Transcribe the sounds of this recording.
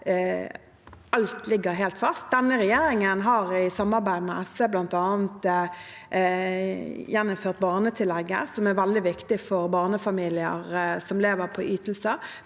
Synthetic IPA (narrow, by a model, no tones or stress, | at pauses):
ʔɑlt̪lɪɡːəɾɦeːlt̪fɑst̪̚d̪ɛnːəɾɛjeːɾɪŋənɦɑʁɪsɑmːɑʁbæɪd̪mɛʔɛsəblɑnt̪ɑːnt̪ | jɛnːʊmføːʁt̪̚bɑːʁnət̪ʰɪlɛɡːə̰sɔmæɾʋæld̪ɪʋɪkt̪ɪfɔɾbɑːʁnəfɑmiːlɪə̰ɾsɔmleːʋəɾpʰɔʔyːt̪l̩sə